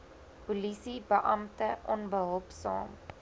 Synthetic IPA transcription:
pulisibəʔɐmtəʔɔnbəɦɔlˠpsɑ̰ːm

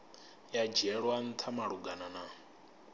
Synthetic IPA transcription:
jad͡ʒɛɺwan̩t̪ʰamaɺuɡanana

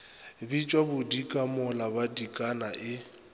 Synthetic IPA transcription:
bit͡ʃʼwabʊdikʼamɔlabadikʼanaʔɪ

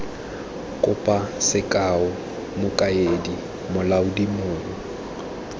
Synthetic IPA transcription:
kʼʊpʼasɪkʼaʊ | mʊkʼaedi | mʊlaʊdimʊːŋɔ

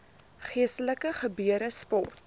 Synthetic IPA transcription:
χiəstələkəχəbyəɾəspɔ̰rt̚

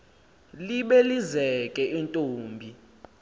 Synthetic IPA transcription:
liɓelizɛkʼɛintʼoːmbʱi

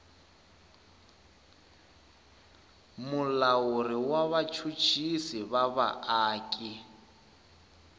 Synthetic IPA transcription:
mulawuriwaβat͡ʃʰut͡ʃʰisiβaβa̰aːkʼi

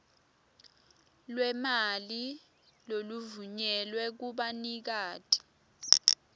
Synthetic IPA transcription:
lwɛmali | loluvuɲɛlwɛk̬uɓanik̬aːtʰʼi̥

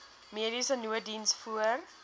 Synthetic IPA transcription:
miəɾisənuədinsfuər

